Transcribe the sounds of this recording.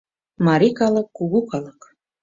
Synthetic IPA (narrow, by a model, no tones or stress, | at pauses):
mɑɾikɑlˠɤ̆kːuɣukɑlˠɤ̆k